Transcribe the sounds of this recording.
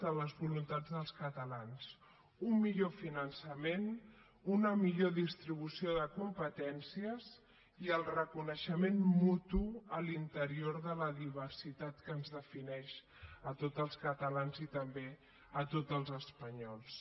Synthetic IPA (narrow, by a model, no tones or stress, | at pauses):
ələzβulunt̪ad͡zðəlˠskət̪əlans | ummiʎofinənsəmen | unəmiʎoðist̪ɾiβ̞usioðəkumpət̪ɛnsiəz | iəlˠrəkunəʃəmenmut̪uəlint̪əɾioɾðələðiβərsit̪at̪kəːnzðəfinɛʃ | ət̪ot̪əlˠskət̪əlanzit̪əmbe | ət̪od͡zəlˠzəspəɲɔlˠs